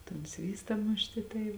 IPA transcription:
toːn ˈsʲʋʲiːstɐ ˈmʊʃʲtʲɪ tɐɪ

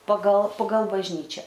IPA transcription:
pɐɡɐlˠ pɐɡɐlˠ bɐʒʲˈnʲiːt͡ʃʲɛ

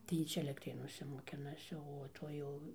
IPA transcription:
tɐɪ ˈjiː ˈt͡ʃʲɛ ɛlʲɛktʲˈrʲeːnuɔsʲɛ moːˈkʲɪnɐsʲɪ oː ˈtoːj jɛʊ

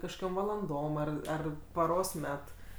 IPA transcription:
kɐʃkoːˈkʲoːm ʋɐlˠɐnˈdoːm ˈɐr ˈɐr pɐˈroːs ˈmʲɛt

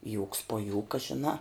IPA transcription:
juːks poː ˈjuːkɐ ʒʲɪˈnɑː

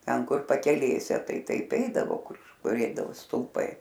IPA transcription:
ˈtʲɛn ˈkʊr pɐkʲɛˈlʲeːsʲɛ ˈtɐɪ ˈtɐɪp ˈɛɪdɐʋoː ˈkʊr ˈkʊr ˈɛɪdɐʋoː stʊlˠˈpɐɪ

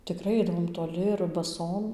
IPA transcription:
tʲɪˈkrɐɪ ˈɐɪdɐʋoːm toːˈlʲɪ ɪr bɐˈsoːm

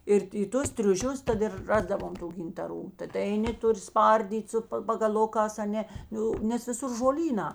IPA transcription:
ɪr ɪ ˈtʊs tʲrʲʊˈʃʲʊs ˈtɐt ɪr ˈrɑːzdɐʋoːm ˈtuː ɡʲɪntɐˈruː tɐˈtɐ ɛɪˈnʲɪ ˈtʊˌrʲɪ ˈspɐrʲdʲiːtʲ ˈsʊ ˈpɐ pɐɡɐˈlˠʊkɑːs ɐˈnʲɛ ˈjɛʊ nʲɛs ʋʲɪˈsʊr ʒoːˈlʲiːnɑː

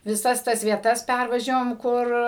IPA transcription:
ʋʲɪˈsɐs ˈtɐs ʋʲiɛˈtɐs ˈpʲærʋɐʒʲɛʋoːm ˈkʊr

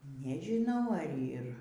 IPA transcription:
nʲɛʒʲɪˈnɐʊ ɐr ˈiːr

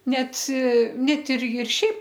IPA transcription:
ˈnʲɛt ˈnʲɛt ˈɪr ɪr ˈʃʲɛɪp

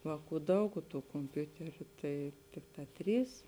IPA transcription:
ˈʋɑːˌkuː ˈdɐʊk oː tuː koːmʲˈpʲʊtʲɛrʲʊ tɐɪ ˈtʲɪkˌtɑː ˈtʲrʲiːs

